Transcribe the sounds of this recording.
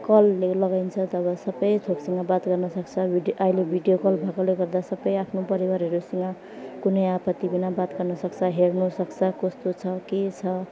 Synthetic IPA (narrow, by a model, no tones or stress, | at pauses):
kʌlːelʌɡajnt͡sʰʌt̪ʌbʌsʌbʌjt̪ʰoksʌŋabat̪ɡʌrnʌsʌkt͡sʰʌbʱiɖʔʌilebʱiɖijokʌlbʱakoleɡʌrd̪asʌbʌjapʰnopʌɾiwaɾɦʌɾusʌŋɡa | kunʌjapʌt̪ibinabat̪ɡʌrnʌsʌkt͡sʰʌɦernusʌkt͡sʰʌkost̪ot͡sʰʌket͡sʰʌ